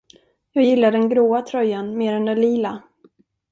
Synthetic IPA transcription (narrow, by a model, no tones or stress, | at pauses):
jɑːjɪlːaɖɛnɡɾoːat̪ʰɾœjanmeːɾɛnd̪ɛliːla